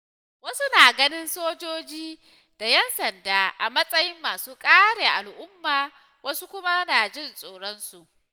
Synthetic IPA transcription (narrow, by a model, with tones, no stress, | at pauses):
wɐ˦su˦naː˨ɡɐ˦nɪ˦nsoː˦d͡ʒoː˦d͡ʒiː˦ | d̥a˨jɛ˦nsɐ˨ndaː˦ʔa˨mɐ˦sʼɐ˦jɪ˦mːaː˨suː˦kʼaː˦ɽeː˨ʔa˨lʔʊ˦mːaː˨ | wɐ˦su˦kʷʊ˦ma˦naː˨d͡ʒɪ˦˨nsʼoː˨ɽɔ˦nsu˨ʔ